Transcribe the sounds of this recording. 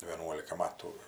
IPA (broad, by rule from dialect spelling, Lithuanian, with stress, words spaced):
ʋʲeːˈnuɔlʲɪkɐ ˈmɑːtuː